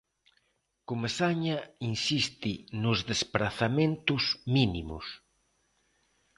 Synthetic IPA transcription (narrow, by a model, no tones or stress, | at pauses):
kumesaɲainsist̪inʊzðespɾaθamẽnt̪ʊzminimʊ̰s